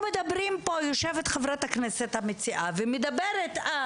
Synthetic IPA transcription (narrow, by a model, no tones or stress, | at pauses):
med̪abɾimpojoʃevet̪χevɾat̪aknɛset̪hamet͡siʔavemed̪abeɾet̪a